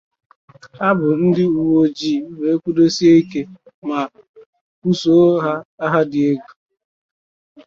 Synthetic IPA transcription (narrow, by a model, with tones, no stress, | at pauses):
ha˦bʊ˨n̩˦dɪ˦u˨wo˦d͡ʒiː˦˨we˨˦kʷu˦do˦si˦e˦ke˦ | ma˨ | ku˦so˦ɦa˦a˦ɦa˦dɪ˨e˦ɡu̥˨